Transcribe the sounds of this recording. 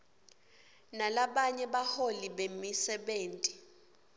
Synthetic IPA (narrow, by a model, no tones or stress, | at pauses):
nalaɓaɲɛɓaholiɓemisɛɓeːntʼi